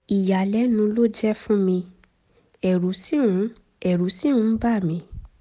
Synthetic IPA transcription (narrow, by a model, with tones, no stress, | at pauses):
i˨ja˨lɛ˨˦nũ˧lo˦d͡ʒɛ˦fũ˦mĩ˧ | ɛ˨ɾu˨˦si˦ũ˨˦ | ɛ˨ɾu˨˦sĩ˦ũ˧˦ba˦˨mĩ˧